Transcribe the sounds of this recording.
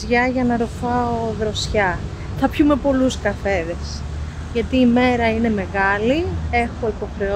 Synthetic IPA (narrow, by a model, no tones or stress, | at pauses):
ʝɐʝɐnɐɾofɐoðɾo̞sçɐ | θɐpçume̞po̞luskɐfe̞ðe̞s | ʝɐt̪iːme̞ɾɐine̞me̞ɣɐlie̞xo̞ipo̞xɾe̞o